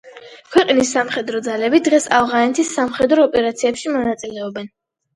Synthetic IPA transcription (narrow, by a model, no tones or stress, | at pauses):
kʰwɛqʼnisːamχɛd̪ɾɔd̪zalɛbid̪ʁɛsa̰vʁanɛt̪ʰisːamχɛd̪ɾɔːpʼɛɾat̪sʰiɛpʃimɔnat̪sʼilɛɔbɛn